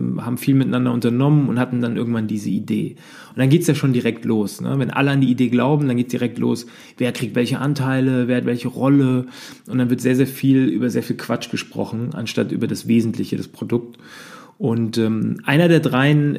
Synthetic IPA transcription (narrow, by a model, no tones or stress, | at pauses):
haːbm̩fiːlmɪt̚nandɐʊntɐnɔmənʊnthatn̩danʔɪ̰ɐɡŋ̩tv̥andiːzəidḛː | ʔʊnd̥anɡeːtsjaːʃoːndiʁɛk̚tʰloːsnə̰vɛnʔa̰ləandiːideːɡlaʊbm̩danɡeːtəsd̥iʁɛk̚tlo̰ːs | veːɐkʁ̥ik̚tv̥ɛlçəʔantʰaɪləveːɐhatvɛlçəʁɔləʔʊntd̥anvɪɐtzeːɐzeːɐfiːlʔy̰ːbɐzeːɐfiːlkʰv̥at͡ʃɡ̥əʃpʁ̥ɔ̰χn̩ʔa̰nʃtatʔy̰ːbɐdasv̥eːzn̩tʰlɪçədaspʁ̥odʊk̚t | ʔʊntɛːmʔaɪnɐdeːɐdʁaɪən